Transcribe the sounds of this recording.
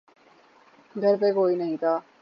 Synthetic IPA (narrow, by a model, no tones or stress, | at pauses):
ɡʱɐɾpekoːinɐɦĩt̪ʰaː